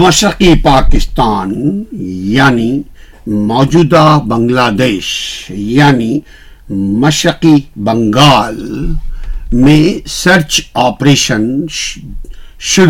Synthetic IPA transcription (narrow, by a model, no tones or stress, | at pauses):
mɐʃɾɐqipaːkɪst̪aːn | jaːni | mɔːd͡ʒuːd̪abɐ̃ŋɡlaːd̪eːʃjaːni | mɐʃɾɐqibɐŋɡaːl | mẽsɐɾt͡ʃaːpɾeːʃən | ʃʊɾ